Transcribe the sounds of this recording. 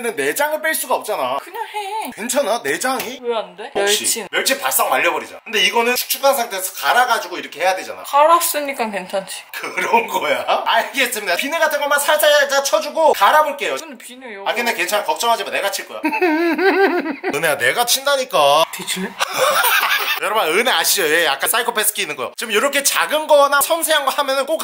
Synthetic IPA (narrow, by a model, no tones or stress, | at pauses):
nɯnːe̞d͡ʑaŋɯɭp͈eɭs͈uɡaʌp̚t͡ɕ͈anakɯɲaŋhekent͡ɕʰanane̞d͡ʑaŋikndeoɕ͈ḭt͡ɕmjʌɭt͡ɕʰipaɭs͈ʌŋmaʎːʌbʌɾid͡ʑa̰kɯnde̞iɡʌnɯnt͡ɕʰu̥k̚t͡ɕ͈ʰukʰansʰaŋtʰe̞sʰʌkaɾaɡad͡ʑuɡoiɾʌkʰe̞he̞jadwe̞d͡ʑa̰na̰aɾas͈ɯɲik͈akent͡ɕʰant͡ɕʰi̥kɯɾʌnɡʌjaaɭɡe̞s͈ɯmidapinɯɡatʰɯŋɡʌɭmansʰaɭsʰaad͡ʑat͡ɕʰʌd͡ʑuɡokaɾaboɭk͈e̞joɯnpinejakenːekwe̞nt͡ɕʰankʌp̚t͡ɕ͈ʌŋɦad͡ʑimaneɡat͡ɕʰiɭk͈ʌja̰ | ɯneane̞ɡat͡ɕʰindaɲik͈ated͡ʑi | jʌɾʌbaɯneaɕʰid͡ʑʌje̞ja̰k͈ans͈aikʰopʰes͈ɯ̥kʰinːɯnɡʌjo̰t͡ɕiɯmjoɾʌkʰe̞t͡ɕaɡɯnɡʌnasʰʌmsʰeaŋɡwahamjʌnɯnk͈ok